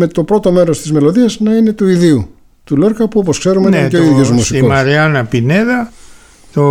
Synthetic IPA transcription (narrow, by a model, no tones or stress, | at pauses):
me̞t̪o̞pɾo̞t̪o̞me̞ɾo̞st̪izme̞lo̞ðiɐznɐine̞t̪uiðiu | t̪ule̞ɾkɐpuo̞poskse̞ɾumeeceoiðʝoszmusiiomɐɾiɐnɐpineðɐ | t̪o